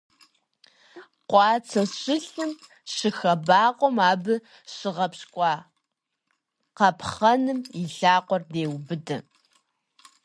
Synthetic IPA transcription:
qʷɑːt͡sʰɐɕʼɪɬɨm | ɕɨxɐbaːqʷʼɔmaːbɨ | ɕɪʁɐpskʷʼɑː | qɐpʰχɐnɨmiɬaːqʷɔrdeːwbɨdɐ̰

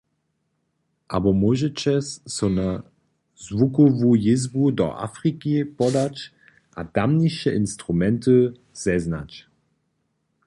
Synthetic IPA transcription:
ʔabɔmoʒɛt͡ɕɛsːɔna | zvukɔvujɪzbudɔ̰ʔa̰fʁikipɔdat͡ʃ | ʔad̥amniʃɛʔɪnstʁumɛntə | z̥ɛzna̰t͡ʃ

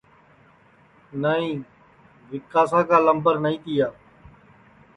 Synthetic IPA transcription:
nəĩː | ʋɪkːaːsãːkaːləmbəɾnəĩːt̪iːjaː

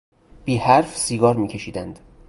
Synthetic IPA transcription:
b̥iːhæɾfsiːɡɒːɾmiːcʰe̞ʃiːd̪ænd̪̥

